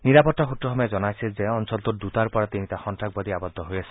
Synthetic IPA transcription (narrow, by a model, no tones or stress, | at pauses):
niɾapɔʈːɔxut̪ɾɔxɔmɔjed͡ʒɔnajsʰizeɔnsɔlt̪uɾd̪ut̪aɾpɔɾat̪init̪axɔnt̪ɾak̚bɔd̪iabɔd̪ʱːɔɦojasʰi